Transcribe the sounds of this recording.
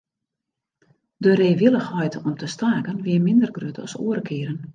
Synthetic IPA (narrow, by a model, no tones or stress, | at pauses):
dəɾeːʋɪlˠəxhɔjtɔmtʰəstaːkənʋɪəmɪndərɡrytɔsṵəɾəkʰɪəɾən